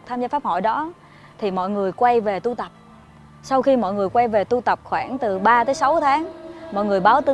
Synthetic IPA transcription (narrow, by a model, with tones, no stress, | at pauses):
k̚t̪ʰaː˧mzaː˧faː˦˥p̚hɔ̰˧˨jɗɔ˨˦ | t̪ʰi˨˩mɔ̰˧˨jŋɨ˨˩əjkwa˧jve˨˩t̪u˧t̪ə˨˩p̚ | sa˧wxi˧mɔ̰˧˨jŋɨ˨˩əjkwa˧jve˨˩t̪u˧t̪ə˨˩p̚xwaː˧˩nt̪ɨ˨˩ɓaː˧t̪əː˨˦jsa˨˦wt̪ʰaː˨˦ŋmɔ̰˧˨jŋɨ˨˩əjɓaː˨˦wt̪ɨ˨˧˦